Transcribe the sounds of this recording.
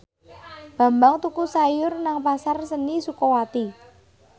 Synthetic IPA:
b̥a̤mbaŋt̪ukusajʊrnaŋpasarsənisukɔwat̪i

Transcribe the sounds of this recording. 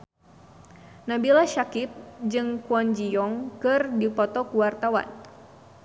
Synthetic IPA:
nabilaʃakɪp̚d͡ʒɨŋkuɔnd͡ʒijɔŋkɨrdipɔt̪ɔkuwart̪awa̰n

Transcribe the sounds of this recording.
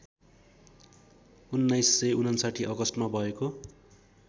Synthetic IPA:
unːajsːʌjunʌnsaʈʰiʔʌɡʌsʈmabʱʌeko

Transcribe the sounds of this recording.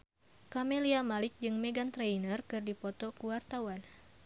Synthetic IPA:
kameliamalɪk̚d͡ʒɨŋmeɡant̪ɾejnərkɨrdipɔt̪ɔkuwart̪awan

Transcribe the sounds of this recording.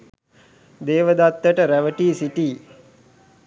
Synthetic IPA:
d̪eːʋəd̪at̪ːəʈəɾæʋəʈiːsiʈiː

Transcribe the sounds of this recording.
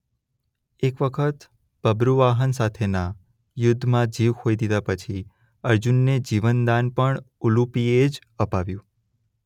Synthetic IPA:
ekʋəkʰət̪ | b̥əbɾuʋaɦənsat̪ʰena | jʊd̪ʱːmãd͡ʒiʋkʰoid̪id̪apət͡ʃʰi | əɾd͡ʒunːed͡ʒiʋənd̪anpəɳ | ulupied͡ʒ | əpaʋjũ

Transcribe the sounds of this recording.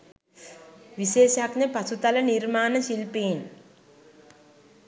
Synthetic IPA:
ʋiʃeːʃaknəpɐsut̪alənirmaːnəʃilpeːn

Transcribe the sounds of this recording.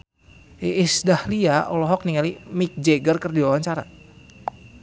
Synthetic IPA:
iʔisdahliaʔɔlɔɦɔk̚niŋalimik̚d͡ʒeɡərkərdiwawaɲt͡ʃaɾa̰

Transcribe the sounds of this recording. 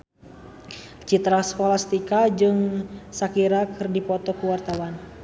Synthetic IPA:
t͡ʃit̪ɾaskolast̪ikad͡ʒɨŋsakiɾakɨrdipɔt̪ɔkuwart̪awan

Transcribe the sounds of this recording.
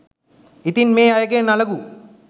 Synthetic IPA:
it̪inmeːajəɡenaləɡu

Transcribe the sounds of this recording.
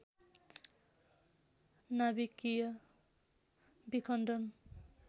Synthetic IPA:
nabikijʌ | bikʰʌnɖʌn

